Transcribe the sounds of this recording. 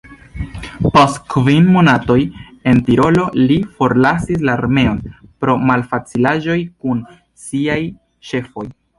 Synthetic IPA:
postkvinmonato̞je̞ntiɾo̞lo̞lifo̞ɾlasis̬laːɾme̞o̞npɾo̞malfat͡silaʒo̞jkun | siaj | ʃe̞fo̞j

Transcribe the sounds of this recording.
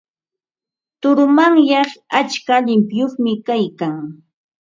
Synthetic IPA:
t̪ʊɾʊmaŋjɑχat͡ʃkaʎɪmpjoχmɪkajkaŋ

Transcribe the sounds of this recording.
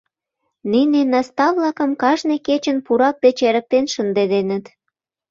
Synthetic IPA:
ninenɑst̪ɑvlɑkə̆mkɑʒneket͡ɕənpuɾɑk̚d̪et͡ɕeɾək̚t̪enʃənd̪ed̪enə̆t̪

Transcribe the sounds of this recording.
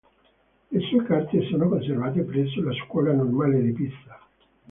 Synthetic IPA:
lesuekart̪esoːnokons̬ervaːt̪̬epɾɛs̬ːolaskwɔːlanonwaːled̪ipit̪sa

